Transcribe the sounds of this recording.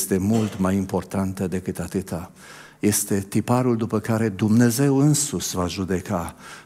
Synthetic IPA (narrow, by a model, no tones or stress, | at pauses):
st̪e̞mult̪majimpo̞rt̪ant̪əd̪e̞kɨt̪at̪ɨt̪a | je̞st̪e̞t̪ipaɾuld̪upəkaɾe̞d̪umne̞ze̞wɨnsuʃvaʒud̪e̞ka